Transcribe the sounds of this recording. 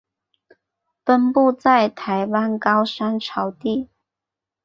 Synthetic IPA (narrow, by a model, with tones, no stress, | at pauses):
fə˥npu˥˧t͡sa˥˩ɪt̪ʰa˧˥ɪwa˥nkɑ˥ʊʂa˥nʈ͡ʂʰɑ˧˥ʊt̪i˥˩